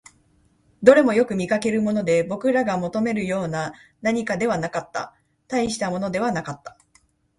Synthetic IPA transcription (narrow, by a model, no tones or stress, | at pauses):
d̪o̞ɾe̞mo̞jo̞kɯ̟mʲikake̞ɾɯ̟mo̞no̞d̪e̞bo̞kɯ̟ɾaɡamo̞t̪o̞me̞ɾɯ̟jo̞ːna | naɲ̟ikad̪e̞β̞anakat̪ːa̰ | t̪aiɕi̥t̪amo̞no̞d̪e̞βanakat̪ːḁ